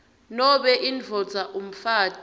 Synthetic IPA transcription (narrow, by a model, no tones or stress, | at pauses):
nɔɓɛʔind͡vʱɔd͡zʱaʔum̩faːd̥ʱ